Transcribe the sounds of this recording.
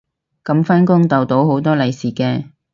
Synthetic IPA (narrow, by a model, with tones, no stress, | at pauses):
kɐ˨˧mfa˥nkʊ˥ŋt̪ɐ˨wt̪o˨˥who˨˥wt̪ɔː˥lɐ˨˩jsiː˨kɛː˧